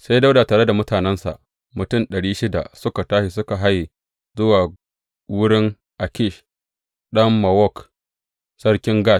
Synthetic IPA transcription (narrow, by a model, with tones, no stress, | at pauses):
se˦jda˦wda˨taː˨ɽe˦da˨mʊ˦taː˨nɛ˦nsa̰˨ʔ | mʊ˨tʊ˦˨nɗɐ˨ɽiː˦ʃɪ˦da̰˨sʊ˦ka˨taː˦ʃi˨sʊ˦ka˨ɦa˦j | zʊ˦waː˨ | wʊ˦ɽɪ˦ŋ | ʔa˨kʲɪ˦˨ʃ | ɗɐ˦mːa˨wɔ˦˨k | sɐ˦ɽkʲɪ˦ŋɡaː˦˨s